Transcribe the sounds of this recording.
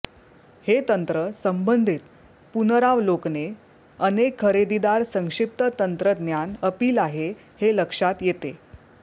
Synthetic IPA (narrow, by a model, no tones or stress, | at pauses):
het̪ənt̪ɾəsəmbənd̪ʱit̪ | punɾaʋlokne | ənekʰːəɾed̪id̪aɾsə̃ŋkʂip̚t̪ət̪ənt̪ɾəd̪ʱnjanəpiːlaɦe | heləkʂat̪jet̪e